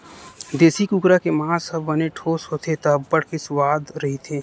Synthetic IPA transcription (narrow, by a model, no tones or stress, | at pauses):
d̪eːsikukɾakemãːsəbʱːəneʈʰoːsɦoːt̪ʰet̪ɐɦəbːəɽkesʊwaːd̪ɾɐɦit̪ʰeː